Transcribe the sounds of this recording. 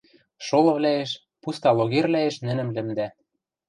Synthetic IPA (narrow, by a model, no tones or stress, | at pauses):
ʃolɤ̆βlæeʃ | pust̪ɑloɣerlæeʃnɘ̆nɘ̆mlɘ̆md̪æ